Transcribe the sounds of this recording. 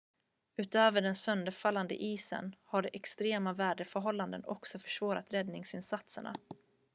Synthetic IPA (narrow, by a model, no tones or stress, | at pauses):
ʉ̟ːt̪øːvəɖɛnsœnd̪əɾfalːand̪ə̰ʔiːsə̰nhaɖɛʔɛkst̪ɾeːmavæːɖəfœɾɦɔlːand̪ənɔ̰ksɔfœ̥ʂvoːɾat̪ɾɛd̪nɪŋsɪnsat̪sə̰ɳa̰